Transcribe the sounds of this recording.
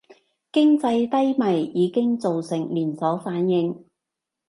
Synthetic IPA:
kɪ˥ŋt͡sɐ˧jt̪ɐ˥jmɐ˨˩jjiː˨˧kɪ˥ŋt͡so˨wsɪ˨˩ŋliː˨˩nsɔː˨˥faː˨˥njɪ˧ŋ

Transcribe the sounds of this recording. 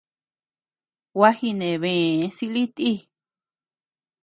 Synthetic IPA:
wa˦hi˧nẽ˨βẽ˨˦si˧li˦t̪i˦

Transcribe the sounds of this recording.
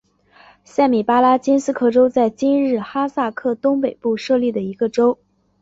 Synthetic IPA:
sa˥˩ɪmi˨˩pa˥la˥t͡ɕi˥nsɹ̩˥kʰɤ˥˩ʈ͡ʂo˥ʊt͡sa˥˩ɪt͡ɕi˥nɻɻ̩˥˩xa˥sa˥˧kʰɤ˥˩t̪ʊ˥ŋpe˨˩ɪpu˥˧ʂɤ˥˧li˥˩d̪ə˩i˧˥ɡə˧ʈ͡ʂo˥ʊ

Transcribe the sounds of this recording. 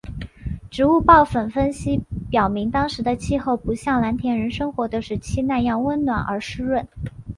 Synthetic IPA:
ʈ͡ʂɻ̩˧˥u˥˧pɑ˥˩ʊfə˨˩nfə˥nɕi˥pjɑ˨˩ʊmi˧˥ŋt̪ɑ˥ŋʂɻ̩˧˥d̪ə˧t͡ɕʰi˥˧xo˥˩ʊpu˧˥ɕjɑ˥˩ŋla˧˥nt̪ʰjɛ˧˥nɻə˧˥nʂɤ˥ŋxwɔ˧˥d̪ə˧ʂɻ̩˥˩t͡ɕʰi˥na˥˧njɑ˥˩ŋwə˥nnwa̰˨˩nə̰˞˧˥ʂɻ̩˥ɻwə˥˩n

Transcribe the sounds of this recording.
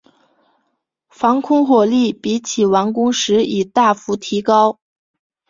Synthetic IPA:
fɑ˧˥ŋkʰʊ˥ŋxwɔ˨˩li˥˩pi˧˥t͡ɕʰi˨˩wa˧˥ŋkʊ˥ŋʂɻ̩˧˥i˨˩t̪a˥˩fu˧˥t̪ʰi˧˥kɑ˥ʊ

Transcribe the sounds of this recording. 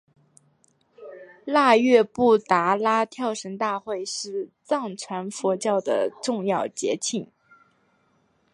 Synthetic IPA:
la˥˧ɥɛ˥˧pu˥˩t̪a˧˥la˥t̪ʰjɑ˥˩ʊʂə˧˥ŋt̪a˥˧xwe˥˧ɪʂɻ̩˥˧t͡sɑ˥˩ŋt͡sʰwa˧˥nfɔ˧˥t͡ɕjɑ˥˩ʊd̪ə̰˩ʈ͡ʂʊ˥˧ŋjɑ˥˩ʊt͡ɕjɛ̰˧˥t͡ɕʰi˥˩ŋ

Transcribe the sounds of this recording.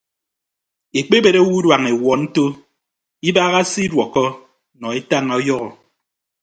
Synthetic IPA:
e˨k͡pe˦be˨ɾe˦wu˦dwa˨ŋe˨wɔ˨n̩˦to˦ | i˦baː˦ɣa˦si˦dwɔ˨kɔ˦ | nɔ˨e˦ta˦ŋa˨ɔ˦jɔ˦ɣɔ˨

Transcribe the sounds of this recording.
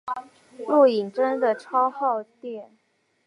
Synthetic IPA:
lu˥˩i˨˩ŋʈ͡ʂə˥ŋd̪ə˨ʈ͡ʂʰɑ˥ʊxɑ˥˧ʊt̪jɛ˥˩n

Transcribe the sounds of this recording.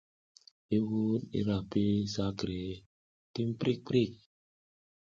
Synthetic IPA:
e˦wu˦tḭ˦ɾa˨pe˦sa˦kɾe˨ | ti˦m˦pɾʔi˦˨k̚k͡pɾi˦˨k̚

